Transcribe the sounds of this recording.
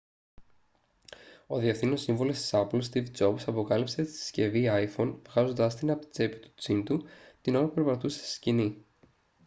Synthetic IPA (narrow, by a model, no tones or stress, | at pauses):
o̞ðiefθino̞siɱvolo̞st̪i̥sɐpulst̪ivd͡zo̞bsɐpo̞kɐlipse̞t̪i̥i̥sce̞viɐjfo̞nvɣɐzo̞nd̪ɐst̪inɐp̪d͡ze̞pit̪u̥t͡sint̪ut̪ino̞ɾɐpupeɾpɐt̪use̥si̥scini